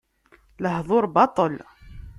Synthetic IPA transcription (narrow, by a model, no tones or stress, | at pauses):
ləɦðˤoɾbɑt̪ˤəl